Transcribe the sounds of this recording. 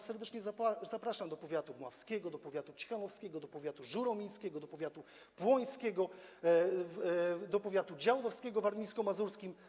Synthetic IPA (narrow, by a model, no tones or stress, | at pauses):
sɛɾd̪ɛt͡ʂɲɛzaazapɾaʂamd̪ɔpɔvʲjat̪umwafskʲɛɡɔd̪ɔpɔvʲjat̪ut͡ɕi̥xanɔfskʲɛɡɔd̪ɔpɔvʲjat̪uʐuɾɔmʲij̃skʲɛɡɔd̪ɔpɔvʲjat̪u | pwɔj̃skʲɛɡɔ | d̪ɔpɔvʲjat̪ud͡ʑawd̪ɔfskʲɛɡɔvaɾmʲijskɔmazuɾskʲim